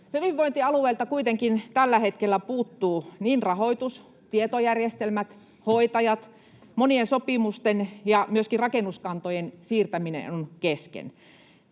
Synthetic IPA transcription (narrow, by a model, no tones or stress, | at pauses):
hyʋiʋʋoint̪iɑlueˑːlt̪ɑkuit̪eŋkint̪ælːæhet̪kelːæpuːt̪ːuːniːnrɑhoit̪us | t̪iet̪ojærjest̪elmæt̪ | hoit̪ɑjɑt̪ | moniensopimust̪enjɑmyøskirɑkenuskɑnt̪ojensiːrt̪æminḛonkeskḛn